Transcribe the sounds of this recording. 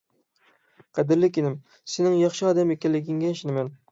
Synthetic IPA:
qʰæd̪ɪɾlɪkʲinɪm | senɪŋjɑχʃɨɑːd̪æmekʲɛlːɪɡʲɪŋɡʲɛnʃɪnɪmɛn

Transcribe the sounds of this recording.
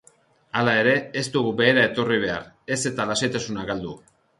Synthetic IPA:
alae̞ɾe̞est̪uɣube̞ːɾae̞t̪o̞riβ̞e̞a̰ɾ | e̞se̞t̪alase̞jt̪asunaɡald̪u

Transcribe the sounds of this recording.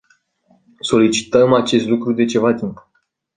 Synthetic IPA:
so̞lit͡ʃi̥t̪əmat͡ʃe̞st̪lukɾud̪e̞t͡ʃe̞vat̪imp

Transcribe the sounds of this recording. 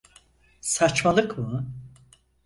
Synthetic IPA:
sat͡ʃmalˠɯkmɯ

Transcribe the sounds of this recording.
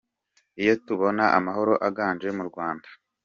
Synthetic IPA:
ijo̞tuβo̞naʔamaɦoɾo̞ʔaɡaːnd͡ʒe̞muɾɡwaːndḁ

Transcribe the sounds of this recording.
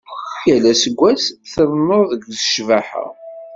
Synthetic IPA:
jælæsəɡʷːæsθəðˤnoɾðəɡzəʃvæħə̰ʁ

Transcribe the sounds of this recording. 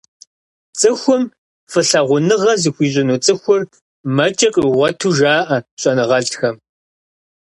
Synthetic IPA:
t͡sʼɨxʷʊm | fɨɬɐʁʷʊnɨʁɐzɨxʷiːʑʼɪnuːt͡sʼɨxʷʊr | mɐt͡ʃʼɐkʼʁʷɔtʰuːʒaːʔɐɕʼɐnɨʁɐɮxɐm

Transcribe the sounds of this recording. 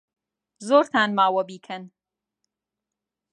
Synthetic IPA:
zoːɾt̪ʰaːnmaːwɐbiːkʰɐn

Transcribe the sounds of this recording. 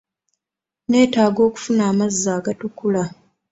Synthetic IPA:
ne̞ːtaːɡo̞ːku̥funaːmazːaːɡatukula

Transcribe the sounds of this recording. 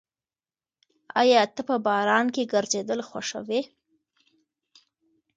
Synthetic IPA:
ɑ̰jɑt̪əpəbɑɾɑnkeɡəɾzed̪əlxwa̰ʂə̰we

